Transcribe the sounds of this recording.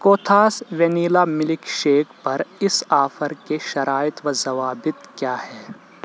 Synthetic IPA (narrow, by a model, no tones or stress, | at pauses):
koːt̪ʰaːsʋɛniːlamɪlɪkʃeːkʰpɐɾɪsaːfəɾkeʃɐɾʔaːɪt̪ʋɐzɐʋaːbɪt̪kjaːhɛː